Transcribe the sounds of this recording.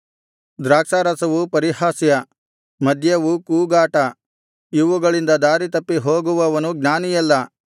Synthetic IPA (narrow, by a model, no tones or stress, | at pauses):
d̪ɾaːkʂaːɾɐsɐʋupɐɾihaːsjɐ | mɐd̪ʱjɐʋukuːɡaːʈɐ | iʋuɡɐɭind̪ɐd̪aːɾit̪ɐpːiɦoːɡuʋɐʋɐnuɡnaːnijɐlːɐ